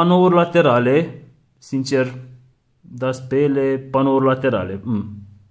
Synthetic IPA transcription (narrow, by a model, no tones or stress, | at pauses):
anouɾlat̪eɾale | sint͡ʃer | d̪aspelepanouɾlat̪eɾa̰leəm